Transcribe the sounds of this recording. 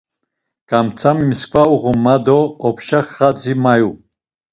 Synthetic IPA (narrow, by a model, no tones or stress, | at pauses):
ɡ̥amt͡sʰamimiskʰʼvauʁumad̪ɔːpʰʃaχːat͡simaju